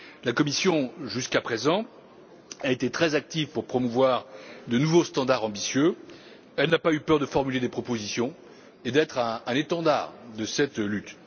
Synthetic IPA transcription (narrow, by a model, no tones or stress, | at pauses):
lakɔmisjɔ̃ʒyskapχezɑ̃ | aet̪et̪χɛzak̚t̪ivpuʁpχɔmuvwaʁd̪ənuvost̪ɑ̃d̪aʁɑ̃bisjø | ɛlnapaypœʁd̪əfɔʁmyled̪epχɔpozisjɔ̃ | ed̪ɛt̪χɛ̃ɛ̃net̪ɑ̃d̪a̰ʁd̪əsɛt̪lyt̪